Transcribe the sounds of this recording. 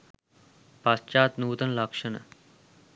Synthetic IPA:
past͡ɕaːt̪nuːt̪ənlakʂəɳə

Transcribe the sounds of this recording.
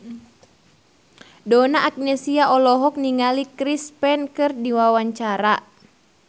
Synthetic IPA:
dɔnaʔːk̚nɛsiaʔɔlɔɦɔk̚niŋalikɾispɛnkɨrdiwawaɲt͡ʃaɾa

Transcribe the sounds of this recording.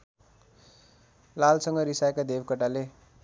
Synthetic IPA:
lalsʌŋɡʌɾisajkad̪ebkʌʈale

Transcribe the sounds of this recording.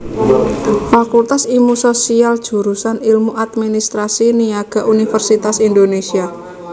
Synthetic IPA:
fakult̪asimusosiald̥ʒ̥ṳɾusanilmuʔat̪minist̪ɾasiniaɡ̥a̤ʔunifərsit̪asind̪onesia

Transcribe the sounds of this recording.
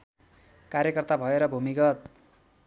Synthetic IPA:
karɾjekʌrt̪abʱʌeɾʌbʱumikʌt̪̚

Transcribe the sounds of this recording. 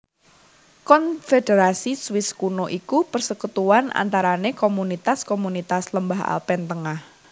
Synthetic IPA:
kɔnfedeɾasiswɪskunoʔikupərsəkut̪uanʔa̰nt̪aɾanekomunit̪askomunit̪asləmbaɦa̰lpɛnt̪əŋah

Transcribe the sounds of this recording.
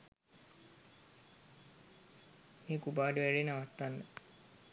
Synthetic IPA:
miːkubaːɖuʋæɾinaʋat̪ːanːə

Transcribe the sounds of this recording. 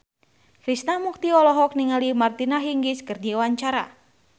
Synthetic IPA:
kɾisnahmuk̚t̪iɔlɔɦɔk̚niŋalimart̪inaɦiŋɡiskərd͡ʒiwaɲt͡ʃaɾa̰

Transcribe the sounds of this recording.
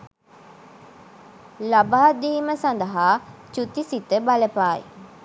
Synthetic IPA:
labaːd̪iːməsand̪əɦaːt͡ʃut̪isit̪əbaləpaːj̰

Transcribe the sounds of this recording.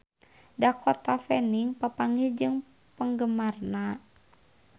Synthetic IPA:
dakɔt̪afɛniŋpapaŋid͡ʒɨŋ | pəŋɡəmarna

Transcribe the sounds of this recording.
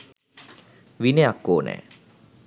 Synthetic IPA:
ʋineakːoːnɛ̰ː

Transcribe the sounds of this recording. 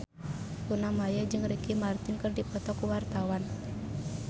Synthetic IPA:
kunamajad͡ʒɨŋrikimart̪ɪnkɨrdipɔt̪ɔkuwart̪awan

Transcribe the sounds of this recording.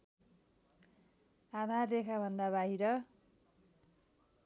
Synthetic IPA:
ad̪ʱarːekʰabʱʌnd̪aβaɦiɾʌ

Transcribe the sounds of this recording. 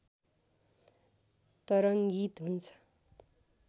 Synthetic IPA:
t̪ʌɾʌŋɡit̪ɦunt͡sʰʌ̥

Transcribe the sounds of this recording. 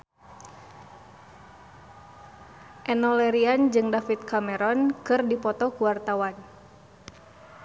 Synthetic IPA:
ʔɛnɔlɛɾiand͡ʒɨŋdafit̪̚kamɛɾɔnkɨrdipɔt̪ɔkuwart̪awan

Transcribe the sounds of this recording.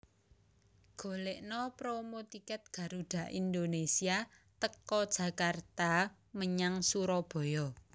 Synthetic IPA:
ɡ̥o̤leʔnɔpɾomot̪ikɛt̪̚ɡ̥ä̤ɾuɖ̥ä̤ʔind̪onesia | t̪əkɔd̥ʒ̥ä̤kart̪a | məɲaŋsuɾɔb̥ɔ̤jɔ

